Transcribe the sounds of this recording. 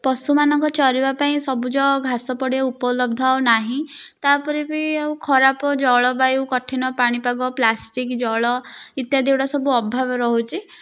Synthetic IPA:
pɔsumanɔŋkɔt͡ʃɔɾibapaĩsɔbud͡ʒɔɡʱasɔpɔɽieupɔlɔb̚d̪ʱɔwnaɦĩt̪apɔɾibieũkʰɔɾapɔd͡ʒɔɭɔbajukɔʈʰinɔpaɽ̃ipaɡɔplasʈikd͡ʒɔɭɔit̪jad̪iwɽɔsɔbuɔbʱabɔɾɔɦut͡ʃʰi

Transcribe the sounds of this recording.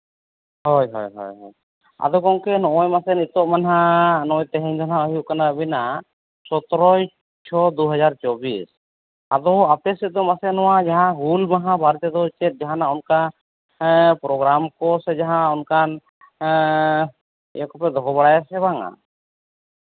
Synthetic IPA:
hɔjɦɔjɦɔ̰jɦɔ̰j | a̰d̪ɔkɔŋkɛnɔɔjmasɛnit̪ɔʔmanɦanɔjt̪ɛɦɛ̃ɲd̪ʱɔnɦãɔɦijuʔkanabina | sɔt̪ɔɾɔj | t͡ʃʰɔd̪uɦad͡ʒaɾt͡ʃɔbis | ad̪ɔap̚ɛsɛd̪ɔmasɛnɔwad͡ʒaɦãɦulmaɦãbaɾt̪ɛd̪ɔt͡ʃɛt̪̚d͡ʒaɦanaɔnka | pɾɔɡɾamkɔsɛd͡ʒaɦãɔnkan | ɛ̰jɔkɔpɛd̪ɔɦɔbaɽajasɛbaŋa̰

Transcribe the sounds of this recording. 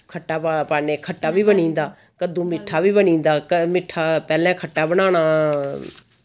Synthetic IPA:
kʰəʈːaːpapaːneːkʰəʈːaːʋiːbənĩːnd̪aː | kəd̪ũːmɪʈʰːaːʋiːbənĩːnd̪aːəmɪʈʰːaːpɛːlɛ̃ːkʰəʈːaːbəñaːɽ̃aː

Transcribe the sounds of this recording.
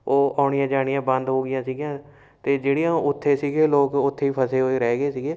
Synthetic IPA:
oːaːɳɪjãːd͡ʒaːɽɪjãːbə̃nd̪ɦoːɡɪjãːsiːɡjãː | t̪eːd͡ʒeːɽijãːʊt̪ʰːeːsiːɡeːloːkʊt̪ʰːeːiːpʰəseːɦoːeːɾɛːɡeːsiːɡeː

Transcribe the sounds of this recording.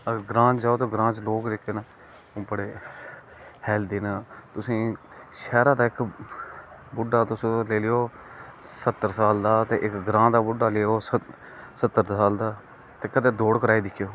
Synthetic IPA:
əɡəɾɡɾãːt͡ʃd͡ʒaːoːt̪oːɡɾãːt͡ʃloːklekːeːnaː | õːbəɽeː | hɛːld̪iːnaːt̪ʊsĩː | ʃɛːɾaːd̪aːɪk | bʊɖːaːt̪ʊsleːleːjoː | sət̪ːəɾsaːld̪aːt̪ẽːʔɪkɡɾãːd̪aːbʊɖːaːleːoːsə | sət̪ːəɾsaːld̪aː | t̪eːkəd̪eːd̪oːɽkəɾaːiːd̪ɪkʰːjoː

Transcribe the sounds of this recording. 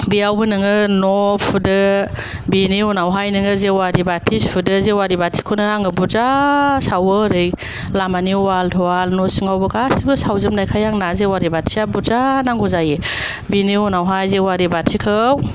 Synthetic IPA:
biawbɯnɯŋɯnɔpʰudɯ | biniunawɦajnɯŋɯzewaɾibatʰispʰudɯzewaɾibatʰi̥kʰɔnɯaŋɯbuɾzasawɯɾɯj | lamaniwaltʰɔalnɔsiŋawbɯɡasibɯsawzɯmnajkʰajaŋnazewaɾibatʰiabuɾzanaŋɡɔzaje | biniunawɦajzewaɾibatʰikʰɯw

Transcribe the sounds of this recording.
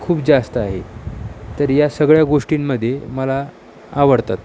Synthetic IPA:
kʰuːpd͡zast̪əaɦet̪əɾjasəɡɭjaɡoʂʈiːmːəd̪ʱːjeməlaː | ʋəɽt̪at̪

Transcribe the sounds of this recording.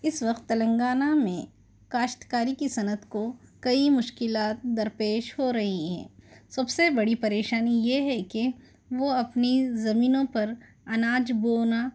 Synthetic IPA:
ɪsʋɐqt̪ːɐlə̃ŋɡaːnamḛ̃ | kaːʃʈ̪kaːɾikisɐnəd̪kokɐimʊʃkɪlaːt̪̚d̪ɐɾpeːʃɦoɾɐɦiɦɛ̰̃ːsɐbsebɐɽipɐɾeːʃaːnijeɦɛke | ʋoɐpnizɐmiːnõpɐɾ | ɐnaːd͡ʒboːna

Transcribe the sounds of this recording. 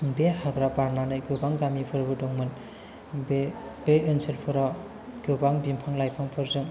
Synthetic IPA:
behaɡɾapaɾnanɯjɡɯbaŋɡamipʰɯɾbɯdɔŋmɯn | bebeɯnselpʰɯɾa | ɡ̥ɯbaŋbimpʰaŋlajpʰaŋpʰɯɾzɯŋ

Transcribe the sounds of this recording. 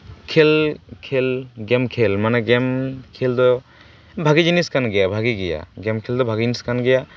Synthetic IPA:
kʰelkʰelɡɛmkʰelmanɛɡɛmkʰeld̪ɔ | bʱaɡid͡ʒiniskanɡɛjabʱaɡiɡɛja̰ɡɛmkʰeld̪ɔbʱaɡiiniskanɡɛja

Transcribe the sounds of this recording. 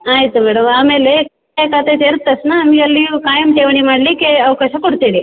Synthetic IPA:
aːjt̪omɛɽəmamelek | ekat̪et̪eɾt̪ːəsnaːmiɐlːikajəmt̪eʋɳ̃imaɽlikeɐʋkaɕakoɽt̪eɽi

